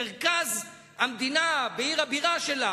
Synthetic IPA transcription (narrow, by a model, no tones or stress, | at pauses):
eʁkaz | hamd̪inabeiʁhabiʁaʃe̞la